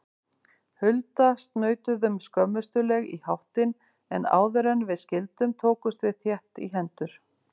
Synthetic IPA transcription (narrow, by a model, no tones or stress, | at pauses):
hʏlt̪ast̪nœːɥt̪ʏðʏmskœmːʏst̪ʏlɛɣḭhawht̪ɪn | ɛna̰ːwðʏɾɛnvɪðscɪlt̪ʏmt̪ʰoːwkʏst̪vɪðθjɛht̪ḭɦɛnt̪ʏɾ̥